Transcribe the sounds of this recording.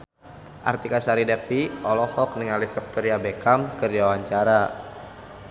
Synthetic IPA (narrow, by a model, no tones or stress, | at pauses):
ʔa̰rt̪ikasaɾidɛfiɔlɔhɔk̚niŋalifɔk̚t̪ɔɾiabekamkərd͡ʒaawaɲt͡ʃaɾa